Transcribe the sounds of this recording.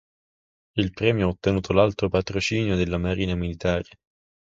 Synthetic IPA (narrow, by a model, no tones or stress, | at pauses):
ilpɾɛːmjoaot̪ːenuːt̪ʰolalt̪ɾopat̪ɾot͡ʃiːnjod̪elːamaɾiːnamilit̪aːɾe